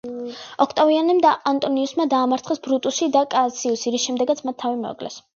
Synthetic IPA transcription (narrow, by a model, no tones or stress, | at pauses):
ɔkʰt̪ʼavianɛmd̪aʔant̪ʼɔniusmad̪aːmaɾt̪sχɛsbɾut̪ʼusid̪akʼat̪sʰiusiɾiʃɛmd̪ɛɡat̪sʰmat̪ʰːavimɛɔ̰ɡʼlɛ̰s